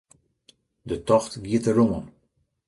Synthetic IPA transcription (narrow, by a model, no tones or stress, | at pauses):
dətɔxtɡiətərumən